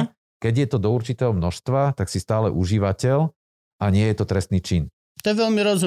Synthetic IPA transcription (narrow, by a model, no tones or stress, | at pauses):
kɛɟjɛt̪ɔd̪ɔuɾt͡ʃit̪ɛːɦɔmnɔʃst̪ʋat̪aksist̪aːlɛʔuʒiʋacɛl | aɲɪɛjɛt̪ɔt̪ɾɛst̪niːt͡ʃin | t̪ɔjɛʋɛlmiɾɔzu